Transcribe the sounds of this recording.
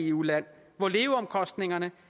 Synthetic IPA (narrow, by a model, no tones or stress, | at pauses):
ulæn̰ | ʋɒle̝ːʊɒ̽mkʰɒ̽sd̥ne̝ŋɐnə